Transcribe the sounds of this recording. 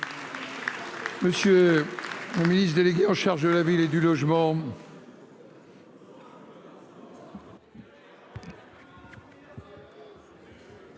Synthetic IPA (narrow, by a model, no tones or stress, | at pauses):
məsjø | ləminisd̪eleɡʲeɑ̃ʃaʁʒd̪əlaviled̪ylɔʒmɑ̃